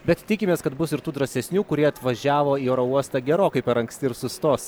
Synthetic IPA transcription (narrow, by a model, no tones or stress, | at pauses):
bʲɛt̪t̪ʲɪkʲɪmʲeːskɐt̪bʊsɪɾt̪uːd̪ɾɐsʲɛsʲnʲuːkʊɾʲiɛɐt̪ʋɐʒʲæːʋoːiːɛːɾouɔst̪ɑːɡʲɛɾoːkɐɪpʲɛɾɐŋksʲt̪ʲɪɾsʊst̪oːs